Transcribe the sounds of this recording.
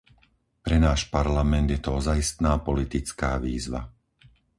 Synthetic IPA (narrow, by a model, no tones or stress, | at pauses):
pɾɛnaːʃpaɾlamɛnd̪jɛt̪ɔɔzaist̪naːpɔlit̪it͡skaːʋiːzʋa̰